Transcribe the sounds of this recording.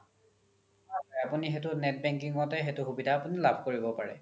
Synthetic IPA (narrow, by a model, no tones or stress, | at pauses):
aɔapunixetʊnɛt̚bɛŋk̬iŋɔtɛɦetʊxubidʱaːpunilabʱkoɹibɔpaɹɛ̰